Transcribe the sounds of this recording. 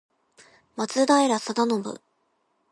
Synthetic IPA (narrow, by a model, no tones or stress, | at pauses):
mat͡sɨd̪aiɾasad̪anobɯ̰